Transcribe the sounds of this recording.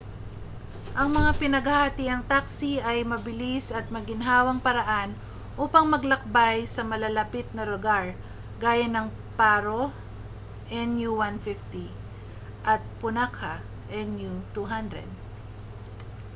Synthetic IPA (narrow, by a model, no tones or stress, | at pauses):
ʔɐŋmɐŋapɪnɐɡhahɐt̪iʔɐŋt̪aksiʔɐjmɐbɪlisɐt̪̚mɐɡɪnɦaːwɐŋpɐɾɐʔan | ʔuːpɐŋmɐɡlɐk̚bajsɐmɐlɐlɐpɪt̪̚nɐɾoɡaɹ | ɡaːjɐnɐŋ | paːɾo | ʔɛnjuwanfɪft̪i | ʔɐt̪̚pʊnakʰa | ʔɛnjut̪uɦand̪ɾɛ̰d̪̚